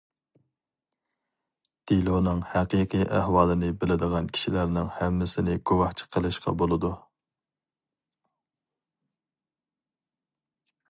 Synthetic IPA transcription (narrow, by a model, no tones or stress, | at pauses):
d̪̥ilˠonɨŋhæqiqʰijʔæhwɑːlˠɨnɨbɪlɪd̪əʁɑnkʲʰi̥ʃilæɾnɪŋhɛmːɪsɪnɪɡowɑht͡ʃʰə̥qʰəlˠɨʃqɑ̰bolˠɨd̪u